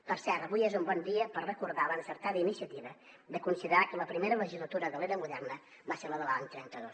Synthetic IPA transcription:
pəɾsɛɾt̪əβujezumbɔnd̪iəpərrəkuɾðalanəsəɾt̪aðəinisiət̪iβə | d̪əkunsiðəɾakələpɾimeɾələʒizlˠət̪uɾəðəleɾəmuðɛrnə | baseɾləðəlaɲt̪ɾɛnt̪əðos

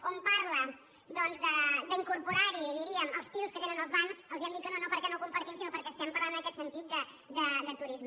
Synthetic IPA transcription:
kompaɾlə | d̪ɔnzðəd̪əiŋkuɾpuɾaɾiðiɾiəmə̰lˠst̪iɾuskət̪enənəlˠzβansəlˠziɛmd̪it̪̚kənonopəɾkɛnokumpəɾt̪imsinopəɾkɛəst̪ɛmpəɾland̪nəkɛt̪sənt̪it̪̚d̪ə | d̪əd̪ət̪uɾizmə

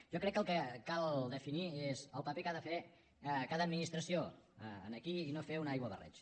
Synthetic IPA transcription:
ʒɔkɾɛkːəlˠkəkalˠd̪əfiniezəlˠpəpekaðəfe | kaðəd̪minist̪ɾəsioə̰nəkiinofeunajɣwəβərɛ̰t͡ʃ

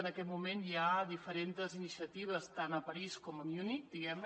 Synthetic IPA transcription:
nəkɛt̪mumenjaðifəɾent̪əzinisiət̪iβ̞əst̪anəpəɾiskɔməmjunikd̪iɣɛmn

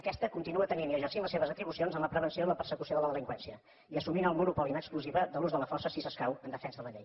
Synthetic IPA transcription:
əkɛst̪əkunt̪inuət̪ənimiʒəsimləseβəzət̪ɾiβusionzəmləpɾəβənsioiləpəɾsəkusioðələðəliŋkwɛnsiə | iəsuminəlˠmunupɔlinəkskluziβəðəluzðələfɔrsəsisəskawənd̪əfɛnzðələʎej

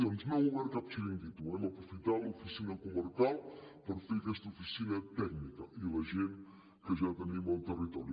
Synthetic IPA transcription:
onznãw̃uɣɛɾkap̚t͡ʃiɾind̪it̪uɛmɐpɾufit̪alˠufisinɐkuməɾkalˠpəɾfekɛst̪ufisinɐt̪ɛknikɐʔilɐʒen | kəʒat̪ənimɐlˠt̪ərit̪ɔɾju

